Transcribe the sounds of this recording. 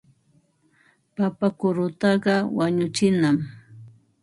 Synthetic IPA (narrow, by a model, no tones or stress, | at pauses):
papakʊɾʊt̪ɑɢɑwaɲʊt͡ʃɪnam